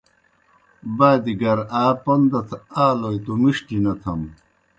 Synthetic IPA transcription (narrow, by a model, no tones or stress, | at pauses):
baːd̪iɡɐɾaːpond̪ɐt̪ʰaːlojt̪umiʂʈinɐt̪ʰɐm